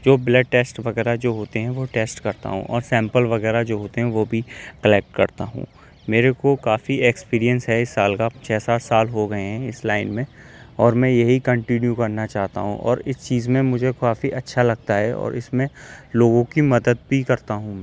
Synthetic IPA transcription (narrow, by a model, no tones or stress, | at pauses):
d͡ʒoːblɛɖ̚ʈeːsʈʋɐɣɛːɾad͡ʒoːɦoːt̪eɦɛ̃ʋoʈeːsʈkɐɾt̪a̰ɦṵ̃ʔɔːɾsɛ̃ːmpəlʋɐɣɛːɾad͡ʒoːɦoːt̪eɦɛ̃ʋobʱikɐlɛːk̚ʈkɐɾt̪a̰ɦṵ̃ | meːɾekokaːfiekspiːɾiə̃nsɦɛɪsːaːlkat͡ʃʰɛːsaːʈsaːlɦoɡɐeɦɛ̃ɪslaːɪnmẽ | ɔːɾmɛ̃jɐɦikɐ̃ɳʈɪnjukɐɾnat͡ʃaːɦt̪a̰ɦṵ̃ʔɔ̰ːɾɪst͡ʃiːzmẽmʊd͡ʒʱekaːfiʔɐtːʃʰalɐɡ̚t̪aɦɛɔ̰ːɾɪ̰smẽloːɡõkimɐd̪əd̪̚bʱikɐɾt̪aɦũmɛ̃ː